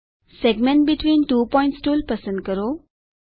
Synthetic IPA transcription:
seɡmẽɳʈ̚biʈʰʋĩːnʈuːpɔj̃ɳʈsʈuːlpəsə̃ɳɖkəɾo

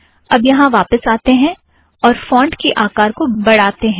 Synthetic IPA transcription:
ɐbjɐɦãʋaːpəsaːt̪eɦɛ̃ | ɔːɾfɔ̃ːɳɖkiʔaːkaːɾkobɐɽ̤aːt̪eɦɛ̃ː

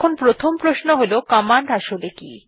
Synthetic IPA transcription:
onpɾot̪ʰompɾosnoɦolokɔmaɳɖaʃoleki

